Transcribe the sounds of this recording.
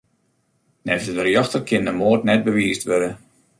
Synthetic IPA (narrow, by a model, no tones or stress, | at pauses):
nɛfsədərjɔxtəkʰɪndəmoːtnɛt̚bəʋiːstʋøɾə